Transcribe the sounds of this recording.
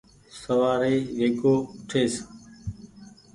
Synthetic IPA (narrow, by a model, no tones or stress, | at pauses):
səʋaːɾeːʋeːkoːʊʈʰeːs